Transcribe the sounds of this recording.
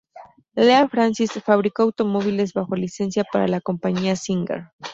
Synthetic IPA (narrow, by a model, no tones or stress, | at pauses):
leafɾansisfaβ̞ɾiko̞awt̪o̞mo̞βile̞zβaxo̞lise̞nsjapaɾa̰lako̞mpaɲiasiŋɡḛɾ